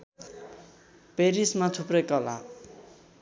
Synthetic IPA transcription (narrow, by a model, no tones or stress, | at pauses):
peɾismat͡sʰuprʌjkʌla̰